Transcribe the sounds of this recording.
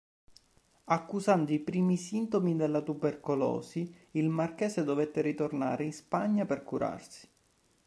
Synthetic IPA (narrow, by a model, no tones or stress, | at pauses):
akːusand̪oipɾiːmisint̪omid̪elːat̪uberkolɔ̰ːsiilmarkɛːsed̪ovet̪ːeɾit̪orna̰ːɾeinspaɲːaperkuɾa̰rsi̥